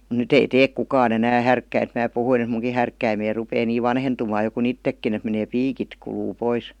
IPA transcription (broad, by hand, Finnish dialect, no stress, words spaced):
m̩ nyt ei teːk kukɑːn enæː hærkːæint mæː puhuin ĕt muŋki hærkːæimei rupeː niː ʋɑnhentumɑː jo kun itːekːin et meneː piːkit kuluː pois